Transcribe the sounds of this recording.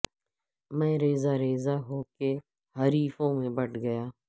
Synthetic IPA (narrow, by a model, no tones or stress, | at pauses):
mɛ̃ːɾeːzaːɾeːzaɦoːke | ɦəɾiːfõmẽbəʈɡəjaː